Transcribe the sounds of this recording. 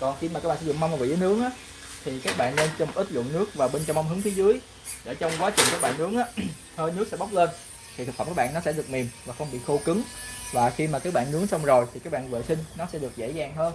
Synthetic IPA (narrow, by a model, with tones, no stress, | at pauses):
kɔ˨˩nxi˧ma˨˩aː˦˥ɓaː˧˨szʊ̰˧˨ŋ͡mma˧ŋ͡mma˨˩vḭ˧˨zəː˨˦nɨ˨˦əŋʔaː˨˦ | t̪ʰi˨˩kaː˦˥k̚ɓa̰ː˧˨nːe˧nt͡ɕɔ˧ŋ͡mmo˨˩ʔï˦˥t̚lɨ̰˧˨nːɨ˦˥ək̚vaː˨˩ɓe˧nt͡ɕɔ˧wʔa˧wŋ͡mɦɨ˨˦ŋt̪ʰi˨˦zɨ˨˦əj | ɗḛ˧˩t͡ɕɔ˧wŋ͡mkwaː˨˦t͡ɕwi˨˩ŋkaː˦˥k̚ɓa̰ː˧˨nːɨ˨˦əŋʔaː˨˦ | həː˧jnɨ˦˥ək̚sɛ̰˧˥ɓa˦˥wk͡p̚le˧n | t̪ʰi˨˩˨k̚fə˧˩ŋ͡mkːaː˦˥ɓ̰ːnːɔ˨˦sɛ̰˧˥ɗɨ˨˩ək̚mi˨˩mvaː˨˩xə˧wŋ͡mɓḭ˧˨xo˧kɨ˨˦ŋvaː˨˩xi˧maː˨˩kaː˦˥k̚ɓa̰ː˧˨nːɨ˨˦əŋsə˧wŋ͡mzo˨˩jt̪ʰi˨˩kaː˦˥k̚ɓa̰ː˧˨nvə̰ː˧˨sï˧ŋ̟nɔ˨˦sɛ̰˧˥ɗɨ˨˩ək̚zḛ˧˥zaː˨˩ŋɦəː˧n